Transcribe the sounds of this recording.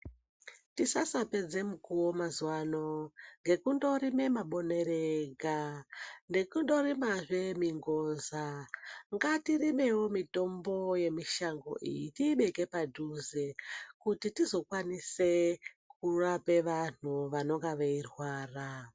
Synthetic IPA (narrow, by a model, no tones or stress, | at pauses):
tisasape̞d͡ze̞mukuwomazwano̞ŋɡe̞kundo̞ɾime̞maɓo̞ne̞ɾeɡande̞kundo̞ɾimaʐe̞miŋɡo̞ːnzaŋɡatirime̞wo̞mito̞mbo̞je̞miʃaŋɡo̞̰ʔḭjitiːɓe̞ke̞padʱuzekutitizo̞kwanise̞ | k̚urape̞ʋan̥̤uʋano̞ŋɡaʋeirwaːra